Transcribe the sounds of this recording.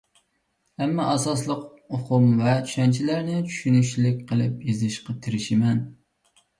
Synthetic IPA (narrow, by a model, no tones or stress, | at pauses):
ɛmːɑʔɑsɑs̬lˠəq | oqʰʊmvɛt͡ʃʰy̥ʃɛnt͡ʃʰilæɾnɪt͡ʃʰy̥ʃynyʃlɪk̚ʲqʰəlˠɨp̚jizɪʃqɑt̪ʰɪɾɪʃɪmɛn